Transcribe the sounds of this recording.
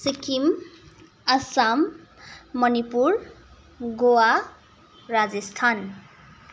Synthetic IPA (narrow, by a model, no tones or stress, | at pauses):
sikim | asamː | ʌnipuɾ | ɡoa | rad͡zest̪ʰan